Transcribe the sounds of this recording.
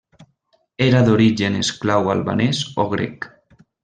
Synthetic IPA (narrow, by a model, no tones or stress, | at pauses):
eɾaðoɾiʒenesklawalβa̰neso̰ɣɾḛk